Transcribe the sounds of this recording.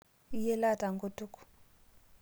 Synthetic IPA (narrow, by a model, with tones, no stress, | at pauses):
i˦jɛ˦la˦˨ta˨ŋɡo˦tu˦ku̥˨